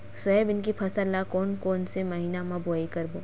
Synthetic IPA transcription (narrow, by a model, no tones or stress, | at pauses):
sɐebɪnk̬ipʰɐsəlːakɔːnkɔːnsemɐɦiːnamãboikɐɾboː